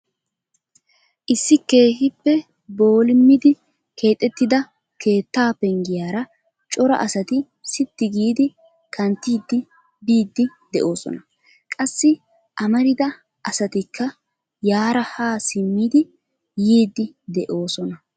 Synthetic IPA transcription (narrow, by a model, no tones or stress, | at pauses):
ʔɪsːɪkːe̞ːhɪpːɛ | bo̞ːlɪmːɪd̪ɪ | kʰe̞ːt̪ʼːɛt̪ːɪd̪ɐ | kʰe̞ːt̪ːaːpɛŋɡɪjaːɾɐ | t͡ʃʼɔɾɐ̰ʔɐsɐt̪ɪ | sɪt̪ːɪɡiːd̪ɪ | kʰɐnt̪ːiːd̪ːɪ | biːd̪ːɪd̪ɛʔo̞ːsɔ̰nɐ | kʼɐsːɪ | ʔɐmɐɾɪd̪ɐ | ʔɐsɐt̪ɪkːɐ | jaːɾɐhaːsɪmːiːd̪ɪ | jiːd̪ːɪd̪ɛʔo̞ːsɔnɐ